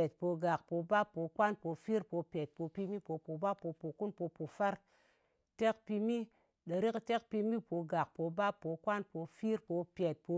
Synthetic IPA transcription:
e˨t̚po˧ɡa˨k̚po˧ba˦pːo˨˧kʷa˦npo˧fi˦ɾpo˧pʲe˨t̚po˨˧pi˧mi˦po˨po˨ba˦pːo˧po˨ku˦npo˧po˨fa˦ɾ | te˦kpi˧mi˦ | ɗə˨ɾi˦kte˦kpi˧mi˦po˧ɡa˨k̚po˧ba˦pːo˨˧kʷa˦npo˧fi˦ɾpo˨˧pʲe˨t̚po˧

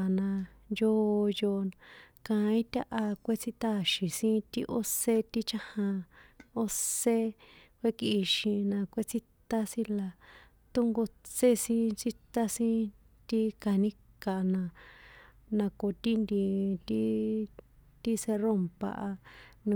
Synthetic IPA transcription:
nã˧ | jo˦˧jo˧kã˧ĩ˦t̪ʲa˦ʔa˧kʷe˦t͡si˦t̪a˦˨ʃĩ˨sĩ˦t̪i˦˧ʔo˦se˦t̪i˦t͡ʃa˦hã˧o˦se˦kʷe˦ki˧ʃĩ˧nã˧kʷe˦t͡si˦t̪a˦sĩ˦la˧ | t̪o˦ŋɡo˧t͡se˦sĩ˦t͡ʃi˦t̪a˦sĩ˦ | t̪i˦ka˧˨nĩ˦ka˨˧nã˧˨ | nã˧ko˧˨t̪i˦nd̪i˧t̪i˦ | t̪i˦se˧ro˦mpa̰˧ʔa˧nũ˧

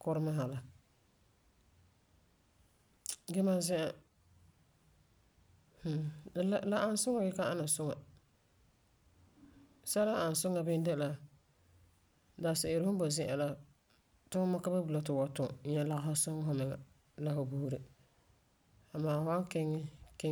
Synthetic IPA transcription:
kʊ˦ɾɪ˦ma˦ɦa˨la˨ | ɡɛ˦ma˦zɪ˦ʔa˨ | h̩˨˦la˦ʔa˨n˦sʊ˦ŋa˨ɡɛ˦ka˦a˦na˨sʊ˦ŋa˨ | sa˦la˦a˨n˨sʊ˦ŋa˨bɪ˦n˦dɛ˦la˦ | daː˨sɪ˨ɪ˨ɾɪ˦hʊ˦bɔ˨zɪ̃˦ʔa˨la˦ | tʊ˦ma˦ka˦ba˦bu˨la˨tɪ˨wa˨˦tʊ˨˦ɲɛ˨la˨ɣa˨ɦa˦sʊ˦ŋa˦ɦʊ˦mɪ˨ŋa̰˨ | la˦ho˨buː˦ɾe˨ | a˨maː˨wa˦ŋkɛ˦ŋɪ˦ke˦

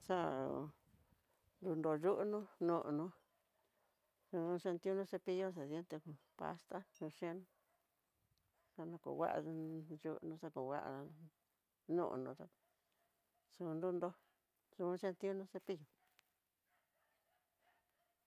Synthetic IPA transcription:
sa˦˨ṵ˨ | nd̪u˧nd̪o˧ʒu˦ʔnũ˦nũ˧ʔnũ˧ | sũ˧ʂe˧nt̪u˦˧nũ˧˦se˧pi˧jo˦s̬e˧sje˧˦nt̪e˧ũ˧ | pa̰˧st̪a˦sũ˧ʂẽ˦nũ˦ | sa˧nã˧kṵ˨wa̰˦ʔa̰˧ʒu˦ʔnũ˧sa˧ku˨wa̰˦ʔa̰˧ | nṵ̃˦ʔnũ˧t̪a˧ | su˧nd̪u˧nd̪o˧ | su˧ʃẽ˧nt̪i˦u˦nũ˧˦se˧pi˦jo˧

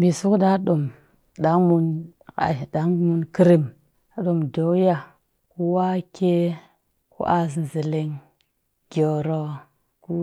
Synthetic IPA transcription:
bi˨su˦kda˦ɗo˨m | ɗa˨˦ŋmu˦na̰˨da˨˦ŋmu˦nki˦ɾi˦m | a˨˦ɗo˨mdo˨˦wja˨ | ku˦wa˦kʰe˦ | kṵ˦ʔa˨s̬zi˨le˨ŋ | ɡ̥ʲo˨ɾo˨ | ku˦

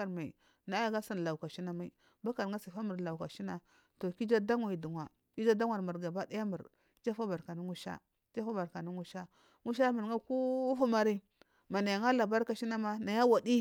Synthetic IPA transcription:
a˨ɾma˨ḭ˨ | na˨˦a˦ɡa˦sa˦n˨la˨u˨ka˨ʃi˦na˦ma˨i˨ | ba˦ka˨ɾŋa˦si˨fa˦mu˨ɾla˨u˨ka˨ʃi˦na˨ | to˨ki˦d͡ʒa˦da˦ŋwa˨i˨du˨ŋʷwa˨ | ki˦d͡ʒa˦da˦ŋʷwa˨ɾmu˨ɾɡa˨ba˦da˦ja˦mu˨ɾ | d͡ʒa˦fa˦ba˨ɾka˨ni˦ŋu˦ʃa̰˦ | d͡ʒa˦fa˦ba˨ɾka˨ni˦ŋu˦ʃa˦ | ŋu˦ʃ̬a˦mu˨ɾŋa˦ku˦fa˦ma˨ɾi˦ | ma˨na˨ja˨ŋa˦la˨ba˦ɾka˨ʃi˦na˦ma˦na˨ja˦wa˨di˦

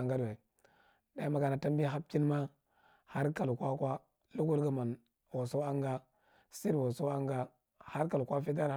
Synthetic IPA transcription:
ŋɡa˦de˨ | da˨˦ma˨ka˨na˨ta˦mbi˦ɦa˦p̚ti˦n˦ma˦ | ha˦ɾka˨lkʷa˦kʷwa˦ | lu˦ku˦lɡa˨ma˨n | wo˨so˦a˦ŋɡa˦ | si˦ɾwo˨so˦a˦ŋɡa˦ | ha˦ɾka˨lkʷa˦fi˦t̬a˦ɾ

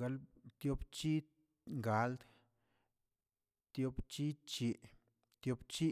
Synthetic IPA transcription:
ɡa˧lt̪jo˦bt͡ʃi˦ | ŋɡa˨˦ld̪ | t̪jo˧˦bt͡ʃi˦t͡ʃi˨ | t̪jo˧bt͡ʃi˦

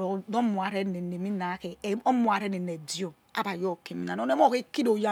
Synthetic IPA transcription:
do˦mu˨a˨ɾe˦ne˨ne˨mi˦na˨˦ke˨˦o˦mu˨a˨ɾe˦ne˨ne˨di˦o˦˨ | a̰˦ba˨jo˦ke˨mi˨na˨˦o˦e˦mo˦˨ke˦ki˦do˨ja˦

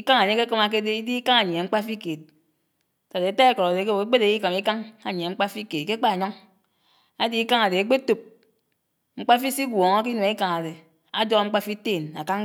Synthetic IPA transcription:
i˦ka˦ŋa˨ɲe˦ke˦kɔ˦ma˦k̬e˦de˦i˦di˦i˦ka˦ŋa˨ɲ˨e˨ŋ͡m̩˦k͡pa˦fi˦ke˨t̚ | ta˨de˨e˨˦ta˦e˦kɔ˨ɾa˨de˨ke˦o˨e˦ɡ͡be˦ɾe˨ji˦ka˨mi˦ka˦ŋa˨ɲ˨e˨ŋ͡m̩˦k͡pa˦fi˦ke˨ke˦k͡pa˦˨ɲɔ˦ŋ | a˦di˦i˦ka˦ŋa˨de˨e˦ɡ͡be˦to˦p̚ | ŋ͡m̩˦k͡pa˦fi˦si˦ɡʷɔ˨ŋa˦ki˦nu˨i˦ka˨ŋa˨de˨ | a˦d͡ʒo˦ŋ͡m̩˦k͡pa˦fi˦teː˦˨na̰˨ka˦ŋ˦

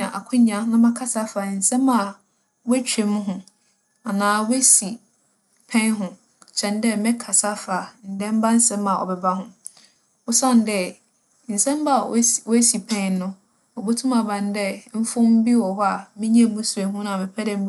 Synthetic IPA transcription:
ã˨ʔa˨kʰʊ̃˦ɲã˨nã˦mã˦kʰa˦sa˦fa˨n̩˨sɛ̃˦mã˨ | wɛ˦t͡ɕᶣe˨mʊ̃˦ɦʊ̃˨ | a˨nãː˨we˦si˨ | pʰɛ̃˦nɦʊ̃˨ | t͡ɕʰɛ̃˨n˦dɛ˦mɛ̃˦kʰa˨sa˦fa˨n̩˨dɛ̃˦m˦ba˦n̩˦sɛ̃˦mã˨ɔ̰˨bɛ˨ba˦ɦʊ̃˦ | ɔ˦sã˦˨n˨dɛ˦ | n̩˨sɛ̃˦m˦ba˦˨˦wɔ˦si˨pʰɛ̃˦nː˦ʊ̃˦ | ɔ˨bo˦tʰũ˦ma˨bã˨ndɛ˦m̩˦fʊ̃˦m̩˦bi˦wɔ˨ɦɔ˦a˨mɪ̃˦ɲ˦ɛ̃˦˨mũ˦su˨e˨ɦʊ̃˦nã˨mɪ̃˨pʰɛ˦dɛ̃˨m̩˦

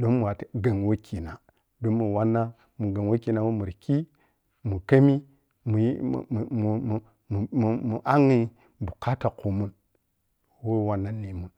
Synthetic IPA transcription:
do˦nmu˨wa˨tɡa˨ŋwo˦kʰi˨na˨ | do˦nmu˨wa˦nːa˦ | mu˨ɡa˨ŋwo˦ki˨na˨wo˦mu˨ɾki˦ | mu˨ka˦mi˦ | mṵ˨˦˨m˨m˨ | m˨m˨mu˨ʔa˦ŋi˦ | bu˨ka˦ta˨ku˨mu˦n | wo˦wa˨nːa˦li˨mu˦n

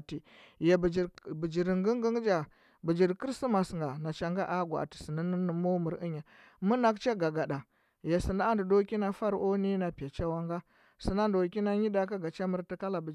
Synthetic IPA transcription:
ti˨ | je˨bd͡ʒi˨bi˨d͡ʒi˨ɾi˨ŋɡi˦ŋɡə˦ŋ˦d͡ʒa˨ | bi˨d͡ʒi˨ɾki˦ɾsi˦ma˨sŋɡa˨na˨t͡ʃa˨ŋɡa˦ʔa˦ɡʷa˨a̰˨ti̥˨si˨ni˦n˦n˦mo˦mu˨ɾi˦ɲa˨ | mu˦na˦kt͡ʃa˦ɡa˨ɡa˨ɗa˨ | je˨si˨nda˦a˦ndi˨do˦ki˦na˦fa˦ɾʔo˦ni˦na˨pi˨a˨t͡ʃa˦wa˦ŋɡa˦ | si˨na˦ndo˨ki˦na˦ɲi˦da˦ka˦ɡa˨t͡ʃa˦mu˦ɾti˦ka˦la˨bə˨

